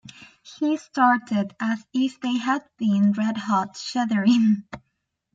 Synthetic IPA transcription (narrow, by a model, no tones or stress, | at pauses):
histɑɹɾɪɾɨzɪfðeɪɨd̚bĩnɹɛd̚hɑtʃɛðə˞ɪ̃ŋ